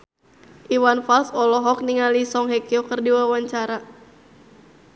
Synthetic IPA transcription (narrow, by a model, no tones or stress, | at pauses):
ʔiwanfalsɔlɔɦɔk̚niŋalisɔŋɦekiokɨrdiwawaɲt͡ʃaɾa